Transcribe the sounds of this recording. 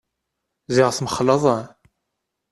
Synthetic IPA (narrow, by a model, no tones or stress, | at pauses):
ziʁθməχləðˤɑ